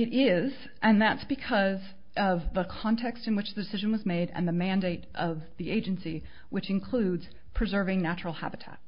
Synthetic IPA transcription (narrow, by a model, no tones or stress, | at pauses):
ɨɾɪz | ʔɨ̃nðætsb̥ɨkʰʌz | ʔʌvðəkʰɑ̃ntʰɛkstɨ̃nwɨt͡ʃðɨdɨsɪʒɨ̃n̩wʌzmeɪɾɨ̰̃nðɨmæ̃ndeɪɾʔʌvðiʔeɪd͡ʒɨ̃nsi | wɨt͡ʃɨ̃nkʰl̥ʉdz̥ | pʰɹ̥ɨzɜ˞vɪ̃ŋnæt͡ʃɹl̩ˠhæ̰bɨtʰæ̰t̚